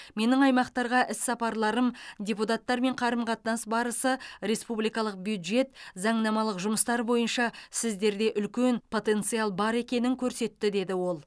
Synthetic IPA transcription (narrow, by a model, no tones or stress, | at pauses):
me̞nɪŋɑjmɑqt̪ɑɾʁɑʔɪsːɑpɑɾlˠɑɾəmdʲe̞put̪ɑt̪ːɑɾme̞ɴqʰɑɾəmqʰɑt̪nɑsbɑɾəsəɾe̞spublijkɑlˠəq̚bjud̪ʒe̞t̪zɑɴnɑmɑlˠəqʒʊməst̪ɑɾbo̞jənʃɑsɪzd̪e̞ɾd̪e̞ʔʏlkʲe̞npʰo̞t̪e̞nt̪sɨjɑlˠbɑɾe̞kʲe̞nɪŋkʲʰɵɾse̞t̪ːɪd̪e̞d̪ɪwo̞lˠ